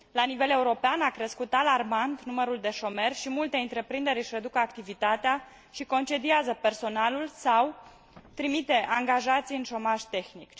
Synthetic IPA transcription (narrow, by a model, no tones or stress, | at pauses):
lanive̞le̞uɾo̞peanakɾe̞skut̪alarmant̪numəɾuld̪e̞ʃo̞me̞rʲʃimult̪e̞ɨnt̪ɾe̞pɾind̪e̞ɾʲɨʃʲred̪ukəakt̪ivit̪at̪ea | ʃiko̞nt͡ʃe̞d̪iazəpe̞rso̞nalulsaw | t̪ɾimit̪e̞ʔaŋɡaʒat̪sijɨnʃo̞maʒt̪e̞xnik